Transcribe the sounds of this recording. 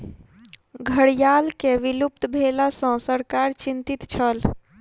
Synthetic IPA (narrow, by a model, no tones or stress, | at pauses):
ɡʱəɽjalkeʋilup̚t̪bʱelasə̃səɾkaɾt͡ʃint̪it̪t͡ʃʰəl